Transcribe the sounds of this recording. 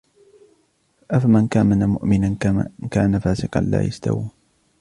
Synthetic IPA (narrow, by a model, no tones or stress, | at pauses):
ʔafamankaːmanamʊʔmɪnankaːnafaːsɪqɑ̰nla̰ːjast̪a̰wiː